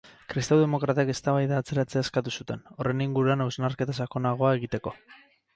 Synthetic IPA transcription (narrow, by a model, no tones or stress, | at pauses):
kɾist̪awðemo̞kɾat̪ake̞st̪aβajðaːt͡se̞ɾat͡se̞aeskat̪usut̪e̞no̞re̞niŋɡuɾuanawznaɾke̞t̪asako̞naɣ̞o̞ae̞ɣ̞it̪e̞ko̞